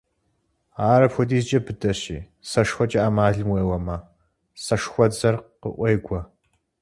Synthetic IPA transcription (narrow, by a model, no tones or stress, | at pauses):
aːɾɐpʰʷɔdiːzt͡ʃʼɐbɨdɐɕḭː | sɐʂxʷɔt͡ʃʼɐaːmaːɮɨmweːwɐmɐ | sɐʂxʷɔd͡zɐrqə̰ʔʷejɡʷɔ